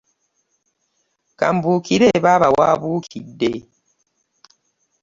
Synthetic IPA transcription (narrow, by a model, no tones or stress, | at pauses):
ka̰mbukiɾeβaβawaːβuːkʰidːe